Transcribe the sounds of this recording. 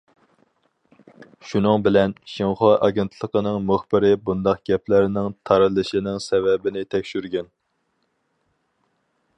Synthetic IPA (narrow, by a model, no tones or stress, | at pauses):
ʃunɨŋbɪlɛnʃiŋχoʔɑɡʲent̪ʰlˠəqənɨŋmʊχbɪɾɪbund̪ɑqɡʲɛplæɾnɪŋt̪ʰɑɾɨlˠɨʃinɪŋsɛvɛbɪnɪt̪ʰɛkʲʃyɾɡʲɛn